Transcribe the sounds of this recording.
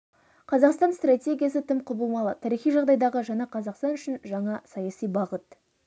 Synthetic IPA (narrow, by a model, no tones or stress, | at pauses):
qʰɑzɑqst̪ɑnst̪ratʲe̞ɡʲijasət̪ʰɪmqʰʊbəlˠmɑlˠət̪ʰæɾijχijʒɑʁd̪ɑjd̪ɑʁəʒɑnɑqʰɑzɑqst̪ɑnʏʃɪnʒɑɴɑsɑjɑsijbɑʁət̪